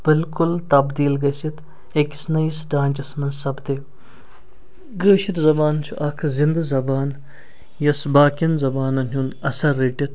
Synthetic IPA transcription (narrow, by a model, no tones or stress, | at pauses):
b̥ɪlkult̪ɐbd̪iːlɡɐsit̪ | eki̥snɐisɖaːnʲd͡ʒɐsmɐnsɐbd̪e | ɡəːʃit̪zɐbaːnt͡ʃʰuʔɐkʰzind̪zɐbaːn | jɐsbaːkinzɐbaːnɐnɦjunɐsɐɾːeʈit̪